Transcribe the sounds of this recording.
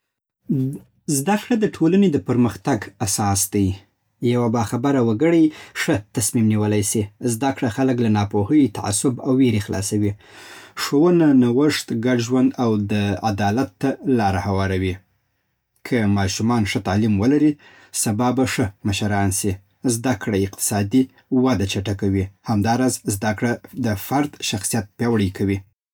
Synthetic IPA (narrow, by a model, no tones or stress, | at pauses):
zd̪akɽad̪əʈʰolaned̪əpəɾməxt̪aɡasɑsd̪̥aj | jawabɑxabaɾawaɡəɽəjʂət̪asmimniwəlajsizd̪akɽaxaləklanɑpohəjt̪a̰ʕa̰sʊbawːeɾexlɑ̰sawiʂowənanawəʂt̪ɡaɖʒwand̪awd̪əad̪ɑlat̪ːalɑɾahawɑɾawi | kʰəmɑʃumɑnʂət̪ɑlimwəlaɾi | sabɑbaʂəmaʃaɾɑnsi | zd̪akɽaɪq̚t̪ɪ̥sɑd̪i | wad̪at͡ʃaʈakawihamd̪ɑɾɑzzd̪akɽad̪əfaɾd̪ʃaxsijat̪̚pjɑwɽəjkʰawi